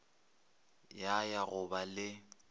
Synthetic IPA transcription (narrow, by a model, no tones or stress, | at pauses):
jajaɣʊbalɪ